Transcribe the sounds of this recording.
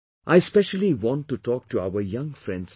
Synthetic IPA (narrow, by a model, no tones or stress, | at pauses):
ʔaɪspɛʃəliʋɔ̃nʈːuʈɔːk̚ʈʰua̰ʊəjʌ̃ŋfɾɛ̃nɖz̥